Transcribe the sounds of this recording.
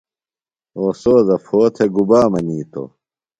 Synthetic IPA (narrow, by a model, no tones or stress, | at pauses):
oːsoːzɐfʰoːt̪ʰeɡubaːmɐniːt̪o̰